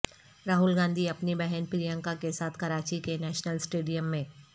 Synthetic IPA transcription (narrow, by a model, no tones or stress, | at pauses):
ɾaːɦʊlɡãːnd̪ʱiɐpnibɛɦɛnpɾijə̃ŋkakesaːt̪ʰkɐɾaːt͡ʃikenɛːʃnəlsʈeːɖijəmːẽː